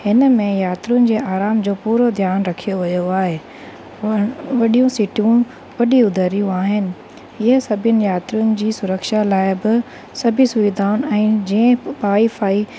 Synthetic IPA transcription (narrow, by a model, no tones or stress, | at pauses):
hɪnə̆mẽjaːt̪ɾijʊnɪ̆d͡ʑeːaːɾaːmd͡ʑoːpuːɾod̪ʱjaːnɾɐkʰijoʋɐjoaːɦe | ʋɐɗijũsɪʈijũ | ʋɐɗiʊd̪ʱəɾijũaːɦɪnɪ̆ | ɪɦəsɐbʱijənɪ̆jaːt̪ɾijʊnɪ̆d͡ʑiːsʊɾəkʃalaːɪbɪ | sɐbʱisʊʋid̪ʱaːʊn̆ɛ̃ːd͡ʑiə̃paːifaːi